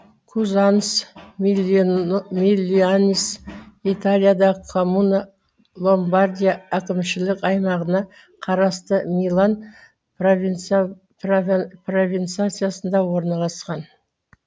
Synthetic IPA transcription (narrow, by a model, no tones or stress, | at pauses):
kʰuzɑns | milʲːianʲisit̪alʲijad̪ɑkʰomuna | lˠo̞mbard̪ʲijaækʲɪmʃɪlɪkɑjmɑʁənɑ | qʰɑɾɑst̪əmʲijlˠan | v | pro̞vʲijnt̪sat̪sɨjasənd̪ɑwo̞ɾnɑlˠɑsqɑn